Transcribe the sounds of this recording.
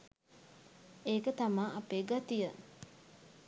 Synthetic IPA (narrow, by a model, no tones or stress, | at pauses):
eːkət̪amaːʔapeːɡat̪ijə